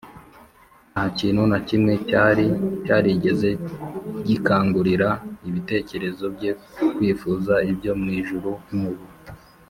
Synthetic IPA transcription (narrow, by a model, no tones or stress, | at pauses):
nnahaciːnhunacimŋe̞caɾicaːɾiɟe̞ze̞ɟikaːŋɡuɾiɾaiβite̞ːce̞ɾe̞zo̞bɟe̞kwiːfuzaibjo̞mŋiːʒuɾuimuβu